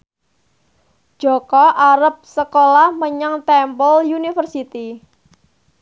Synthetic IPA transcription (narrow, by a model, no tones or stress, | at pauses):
ʒ̥ɔ̤kɔʔaɾəp̚səkolahməɲəŋt̪ɛmpɔljunifərsit̪i